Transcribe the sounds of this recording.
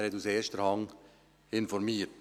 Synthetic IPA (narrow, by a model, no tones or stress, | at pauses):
ɾhɛtuseːʃtəɾɑŋ | ɪnfɔɾmiːət